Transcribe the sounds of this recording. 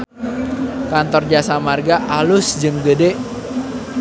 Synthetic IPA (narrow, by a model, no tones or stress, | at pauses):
kant̪ɔrd͡ʒasamarɡaʔalʊsd͡ʒɨŋɡədeʔ